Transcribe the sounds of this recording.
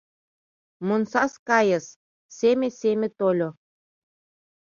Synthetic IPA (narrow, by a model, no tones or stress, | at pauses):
monsɑskɑjɤ̆s | semĕsemʲĕt̪olʲo